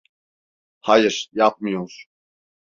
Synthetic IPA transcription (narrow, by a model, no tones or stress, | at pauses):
hajɯɾ̥jap̚mɯjoɾ̥